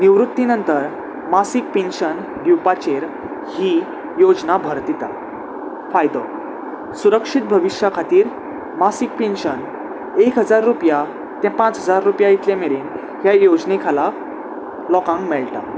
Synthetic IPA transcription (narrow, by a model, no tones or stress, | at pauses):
niʋɾut̪ːinənt̪əɾ | masik̚penɕən | ɖjupat͡ɕeɾ | hi | jod͡znabʱəɾt̪it̪a̰ | fajd̪ɔ | suɾəkʂit̪̚bʱəʋiʂjakʰat̪iːɾ | masik̚pẽnɕən | ekɦəd͡zaɾːupja | t̪ɛ̃pãt͡sɦəd͡zaɾːupjait̪ljãmeɭiːn | ɦjajod͡znekʰala | lɔkãŋkmɛɭʈa̰